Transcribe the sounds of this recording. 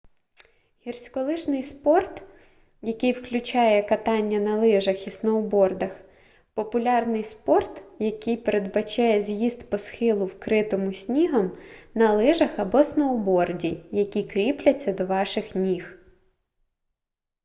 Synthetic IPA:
hʲirsʲkɔlˠɪʃnɪjspɔrt̪ | jɐkɪjwklʲʊt͡ʃɑjɛkɐt̪ɑnʲːɐnɐlˠɪʒɐxisnɔwʊbɔrd̪ɐx | pɔpʊlʲɑrnɪjspɔrt̪jɐkɪjpeɾed̪bɐt͡ʃɛjɛzʲjiz̥t̪pɔsxɪlˠʊwkɾɪt̪ɔmʊsʲnʲiɦɐmnɐlˠɪʒɐxɐbɔsnɔʊbɔrdʲijɐkʲikɾʲiplʲɐt͡sʲːɐd̪ɔʋɑʃɪxnʲix

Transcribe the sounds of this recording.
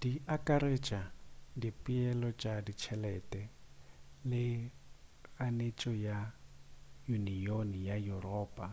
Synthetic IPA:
diakʼaɾet͡ʃʼadipʼiɛlɔt͡ʃʼadit͡ʃʰɛlɛtʼɛ | lɪ | ɣanet͡ʃʼɔja | junionijajurɔːpʼa

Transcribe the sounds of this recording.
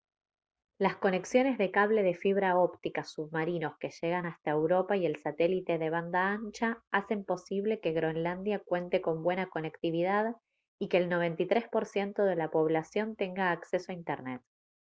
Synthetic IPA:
lasko̞ne̞ksjo̞ne̞zðe̞kaβle̞ðe̞fiβ̞ɾaopt̪ikasuβmaɾino̞ske̞ʃe̞ɣ̞anast̪ae̞wɾo̞paie̞lsat̪elit̪eðe̞β̞and̪aant͡ʃaase̞mpo̞siβ̞le̞keɣɾoenland̪jakwe̞nt̪e̞ko̞mbwe̞nako̞ne̞kt̪iβiðað | ikeːlno̞βe̞nt̪it̪ɾe̞spo̞ɾsje̞nt̪o̞ð̞e̞lapo̞β̞lasjo̞nt̪e̞ŋɡaːkse̞soaint̪eɾnet̪̚

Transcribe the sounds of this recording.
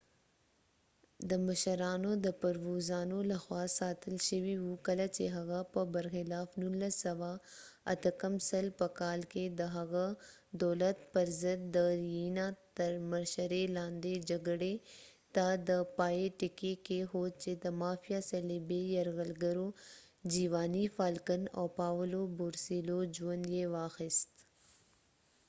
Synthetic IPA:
d̪əmɐʃəɾaːnõd̪əpɐɾʋoːzaːnolɐxwaːsaːt̪ʰəlʃəʋiɦukɐlɐt͡ʃeɦɐɣapəbɐɾxɪlaːfnuləsɐʋaɐ̰t̪ʰəkɐmsɐlpɐkaːlked̪əɦɐɣa | d̪ɔːlət̪pɐɾzəd̪̚ːəɾiːnãt̪ɐɾməɾʃəɾelãːnd̪ed͡ʒɐɡɽe | t̪aːd̪ɐpaːeʈɪkekeɦoːt͡ʃed̪ɐmaːfijasɐlibejɐɾɣəlɡəɾo | d͡ʒiːʋaːnifaːlkənɔːpaːʋəlobʊɾsiːloːd͡ʒuənjeːʋaːxɪst̪

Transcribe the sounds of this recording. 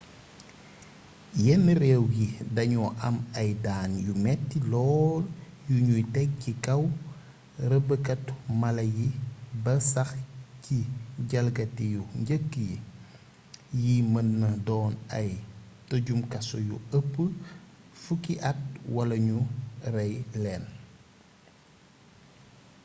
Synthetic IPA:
jɛnːrɛwjidɐɲuʔɐmɐjdaːnjumɛtːilɔːljuɲujtɛɡ̚cikɐw | rəbəkɐtmɐlɐjibɐsɐxciɟɐlɡɐtijuɲɟəkːji | jimɐnːɐdɔːnɐj | toɟumkɐsɔjṵəpːə | fukiʔɐt̚wɐlɐɲurɐjlɛːn

